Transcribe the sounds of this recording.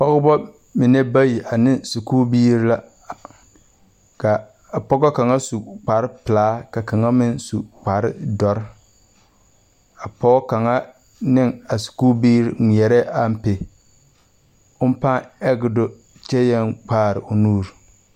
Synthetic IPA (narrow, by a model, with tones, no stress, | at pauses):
pɔ˦ɡbɔ˦ | mɪ˨ne˦ba˦ji˨ʔa˨nɪ˦su˨kuː˦biː˦ɾi˦la˦˨ | ka˨ | a˨pɔ˦ɡɔ˦ka˨ŋa˦su˨k͡pa˨ɾɪ˦pɪ˨laː˦ka˨ka˨ŋa˦mɪ˦nsu˨k͡pa˨ɾɪ̰˦dɔ˨ɾɪ˦ | a˨pɔ˦ka˨ŋa˦ | nɪ˦ŋa˨su̥˨kuː˦biː˦ɾŋʷ˨ɛ˨ɾɛ˦ʔa˦m̩˦pe˨ | ʊ˦m˦pa˦ɛ˦ɡɪ˨do˦ | t͡ʃɛ˦jɛ˦ŋk͡paː˦˨ɾɪ˨ʔʊ˨nuː˦˨ɾ